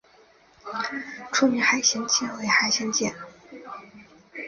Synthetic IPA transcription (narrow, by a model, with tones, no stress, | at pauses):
ʈ͡ʂʰu˥˩mi˧˥xa˧˥ɪɕjɛ˧˥nt͡ɕɛ˥˩nwe˧˥ɪxa˧˥ɪɕjɛ˧˥nt͡ɕjɛ̰˥˩n